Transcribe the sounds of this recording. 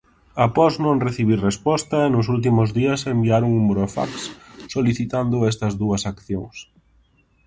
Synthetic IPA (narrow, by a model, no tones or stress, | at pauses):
apɔznõŋreθiβ̞irespɔst̪ɐenʊs̬ult̪̬imʊzðiɐsembiaɾoŋumbɾofa̰ksːoliθit̪and̪ʊɛst̪ɐzðuɐsakθjoŋs